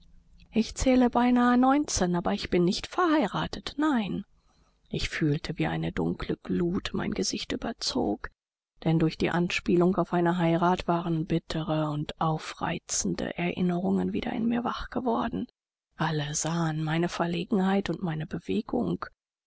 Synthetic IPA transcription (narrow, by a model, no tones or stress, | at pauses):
ʔɪçt͡sɛːləbaɪnaːənɔʏnt͡sɛnʔaːbɐɪçb̥ɪnːɪçtfɛɐhaɪʁaːtətnaɪn | ʔɪçfyːltʰəviːʔa̰ɪnədʊ̰ŋkʰləɡ̥luːtma̰ɪnɡəzɪçtʔyːbɐt͡so̰ːk | d̥ɛndʊɐçd̥ḭːʔanʃpiːlʊŋkaʊfʔaɪnɐɦaɪʁaːtv̥aːʁənbɪtʰəʁəʊntʔaʊfʁ̥a̰ɪt͡sn̩də̰ʔɛɐʔɪ̰nəʁʊŋənvḭːdɐ̰ʔɪ̰nmiːɐvaχɡ̥əvɔɐdn̩ | ʔaləzaːənmaɪnəfɛɐleːɡŋ̩haɪtʊntmaɪnəbəv̥eːɡʊ̰ŋk